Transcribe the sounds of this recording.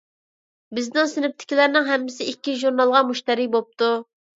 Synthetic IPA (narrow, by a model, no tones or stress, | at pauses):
bɪznɪŋsɪnɪp̚t̪ʰɪ̥kʲilæɾnɪŋɦɛmːɪsɪikʲːiʒuɾnɑlˠʁɑmuʃt̪ɛɾibop̚t̪ʰu